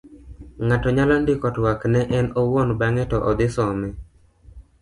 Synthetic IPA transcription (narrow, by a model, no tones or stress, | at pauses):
ŋatɔɲalɔndɪkɔtwaknɛʔɛnɔwɔnbaŋɛtɔʔɔd̪ɪsɔmɛ